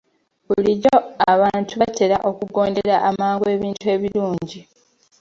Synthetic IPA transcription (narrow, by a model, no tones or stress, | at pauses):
βuliɾoaβaːntuβate̞ɾaʔo̞kuɡo̞ːndeɾaʔamaːŋɡoe̞ːβiːntue̞ːβiluːɲɟi